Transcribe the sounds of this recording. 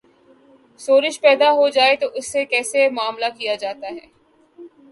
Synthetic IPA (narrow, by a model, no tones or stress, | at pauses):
soːɾɪʃpɛːd̪aɦod͡ʒaːet̪oʔʊsːekɛːsemʊaːmlakijad͡ʒaːt̪aɦɛː